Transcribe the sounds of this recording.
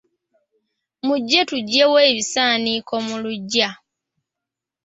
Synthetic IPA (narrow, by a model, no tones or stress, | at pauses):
muɟːetuɟːeweːβisaːniko̞muluɟːa